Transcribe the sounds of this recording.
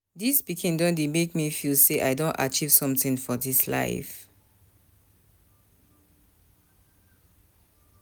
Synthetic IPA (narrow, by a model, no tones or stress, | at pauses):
dispikĩndɔ̃ndemekmifilseʔaɪdõnta̰t͡ʃiv̥sɔ̃mtĩnfɔdisla̰ɪf